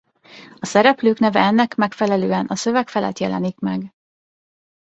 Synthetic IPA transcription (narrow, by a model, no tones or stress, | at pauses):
ɒsɛɾɛpløːknɛvɛɛnːɛkmɛkfɛlɛløːɛnɒsø̞vɛkfɛlɛ̰t̪jɛlɛ̰nikmɛɡ